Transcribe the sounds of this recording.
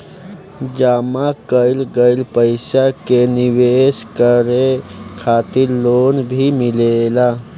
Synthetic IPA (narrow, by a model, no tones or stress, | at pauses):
d͡ʒamakəɪlɡəɪlpəɪsakeniweskəɾekʰat̪iɾlonbʱimilela